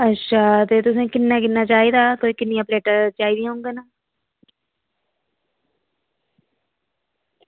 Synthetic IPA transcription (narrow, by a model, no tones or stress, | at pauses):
əʃʰaːt̪eːt̪ʊsẽːkɪnːãːkɪnːaːt͡ʃaːiːd̪aːkoːiːkɪnːɪjãːpleːʈəɾt͡ʃaːiːd̪ijãɦʊ̃ŋɡeːnaː